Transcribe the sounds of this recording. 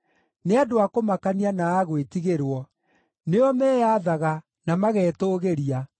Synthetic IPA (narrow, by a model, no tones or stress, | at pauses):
neadoakomakanianaːɣwetiɣeɾwɔ | neɔmɛːjaðaɣa | namaɣɛːtoːɣeɾia